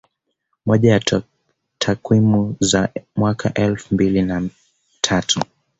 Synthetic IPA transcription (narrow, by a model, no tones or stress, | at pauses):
mɔʄaja | tʰakwimuzamwakʰaʔɛlfumbilina | tʰatʰu